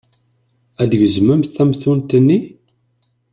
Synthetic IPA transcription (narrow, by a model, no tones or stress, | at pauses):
æðəʝəzməmθθæmθunt̪ənːi